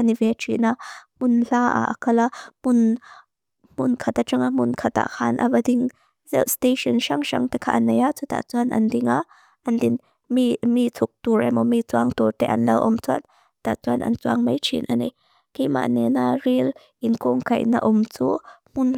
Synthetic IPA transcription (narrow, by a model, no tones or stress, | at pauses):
anivɛt͡ʃʰiʔnamʊnɬaːʔa̰ʔakʰɐlamʊn | mʊnkʰat̪at͡ʃaŋamʊnkʰat̪a̰ʔhʰaːnʔa̰badiŋ | zɛ̰wst̪eʃɔnʃaŋʃa̰ŋt̪ɛkʰaʔanejaʔt͡sut̪a̰t͡suanʔɐ̰ndiŋaʔ | ɐndin | mimit͡sʰuk̚t̪uɾajmɔmit͡suaŋt̪urt̪ɛʔɐnlɛwʔɔmt͡sua̰n | t̪aʔt͡suanʔɐ̰nt͡suaŋmɐjt͡ʃʰḭnʔanɛj | kejma̰ʔnɛnaril | ʔinkɔŋkɐ̰jna̰ʔʊmt͡sumʊn